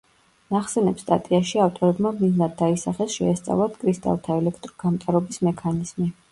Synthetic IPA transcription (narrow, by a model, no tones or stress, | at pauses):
naχsɛnɛpst̪ʼa̰t̪ʼiaʃiaft̪ʼɔɾɛbmamniznad̪̚ːaisaχɛsʃɛːst̪sʼa̰vlˠat̪ʰkʼɾist̪ʼa̰lˠt̪ʰaɛlɛkʰt̪ʼɾɔɡ̥amt̪ʼaɾɔbismɛkʰaniz̥mi